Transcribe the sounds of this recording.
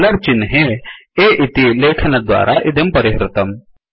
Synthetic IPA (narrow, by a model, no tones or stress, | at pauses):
lɐɾt͡ʃɪnɦeeʔɪt̪ileːkʰɐnɐd̪wa̰ːɾʔaʔɪd̪ʱɐmpɐɾɪɦɾɪt̪ɐm